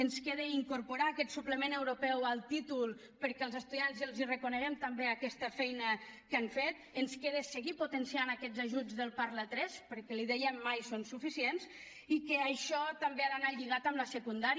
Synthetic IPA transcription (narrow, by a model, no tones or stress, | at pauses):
ənskeðeiŋkuɾpuɾaːkɛt̪supləmenewɾupɛwalˠt̪it̪ulˠ | pəɾkɛəlˠzəst̪uðianzəlˠzirəkunəɣɛmt̪əmbeakɛst̪əfɛjnəkaɱfet̪ənskeð̞esəɣiput̪ənsianakɛzaʒud͡zðəlˠpaɾlat̪ɾɛspəɾkɛliðɛjəmːajsonsufisiens | ikəaʃɔt̪ambeaðanaʎiɣat̪əmləsəkund̪aɾ